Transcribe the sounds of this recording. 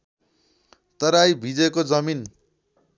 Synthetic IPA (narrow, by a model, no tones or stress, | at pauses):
t̪ʌɾajbʱid͡zekod͡zʌmin